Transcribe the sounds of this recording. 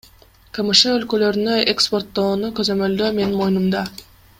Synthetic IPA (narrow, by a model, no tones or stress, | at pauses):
kamɯʃɯølkø̞lø̞ɾynøʔekspo̞rt̪ːoːnukøzø̞mø̞ld̪øme̞nmo̞jnumd̪ɑ